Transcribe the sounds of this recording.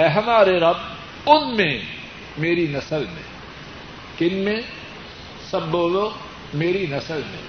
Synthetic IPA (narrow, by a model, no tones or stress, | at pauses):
ɛːɦɐmaːɾeɾɐb̚ | ʊnmẽ | meːɾinɐsəlmḛ̃ | kɪnmẽ | sɐbːoːloː | meːɾinɐsəlmḛ̃